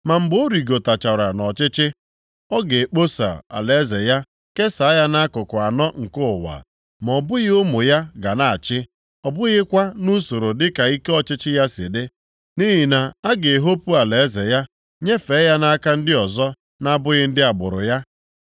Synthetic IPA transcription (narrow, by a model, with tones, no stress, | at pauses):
ma˨m̩˨bo˦ɾi˨ɡo˨ta˨t͡ʃa˨ɾa˨nɔ˨t͡ʃɪ˦t͡ʃɪ˦ | ɔ˦ɡe˨k͡po˦sa̰˨a̰˨le˨˦ze˨ja˦ | ke˦sa˨˦ja˦na˦kʊ˨kʊ˨a˨nɔ˦ŋ̩˨kʊ˦ʊ˨wa̰˨ | m˨ɔ˨bʊ˦ɣɪ˦o˦mo˨ja˦ɡa˨na˦˨a˨t͡ʃɪ˦ | ɔ˨bʊ˦ɣɪ˦kʷa˦nu˦so˨ɾo˨dɪ˦ka˨i˦ke˦ɔ˦t͡ʃɪ˦t͡ʃɪ˦ja˦sɪ̰˨dɪ˦ | ni˦ɦi˨na˨a˦ɡe˨ɦo˦pu˦a˨le˨e˦ze˨ja˦ | ɲe˦fe˨˦ja˦na˦ka˦n̩˦dɪ˦ɔ˨zɔ˦ | na˦bʊ˦ɣɪ˦n̩˦dɪ˦a˨bʊ̰˨ɾʊ̰˨ja˦